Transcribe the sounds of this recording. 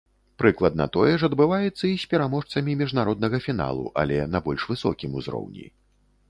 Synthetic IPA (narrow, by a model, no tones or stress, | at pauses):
pɾɨklˠɐd̪̚nɐ̰t̪ɔjɛʂɐd̪bɨvajɛt̪sːɐisʲpʲɛɾamɔʂt̪sɐmʲimʲiʐnaɾɔd̪̚nɐɣɐfʲina̰lˠṵʔa̰lʲɛnɐbɔlʲʂvɨsɔ̰kʲimuzɾɔ̰wnʲḭ